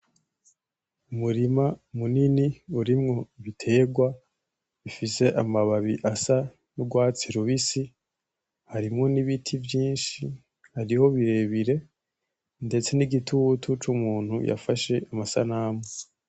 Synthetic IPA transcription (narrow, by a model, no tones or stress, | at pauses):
umuɾimamuniniuɾimŋo̞βitʰe̞ːɡwa | ifise̞ʔamaβaβiʔasa | nuɡwaːt͡siɾuβisi | haɾimŋo̞niβitʰivjiːnʃi | haɾiho̞βiɾe̞βiɾe̞ | nde̞t͡se̞niɡitʰutʰut͡ʃumuːn̥huja̰faʃe̞ʔamasa̰naːmo